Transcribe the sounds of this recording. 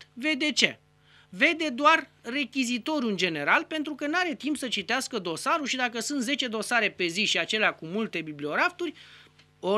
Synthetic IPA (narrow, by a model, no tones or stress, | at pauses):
ve̞d̪e̞t͡ʃe | ve̞d̪e̞d̪oar | re̞kʲizit̪o̞ɾjuɨnd͡ʒe̞ne̞ɾalpe̞nt̪ɾukənaɾe̞t̪impsət͡ʃit̪easkəd̪o̞saɾuʃid̪akəsunt̪ze̞t͡ʃe̞d̪o̞saɾe̞pe̞ziʃiat͡ʃe̞leakumult̪e̞biblio̞ɾaft̪urʲ | o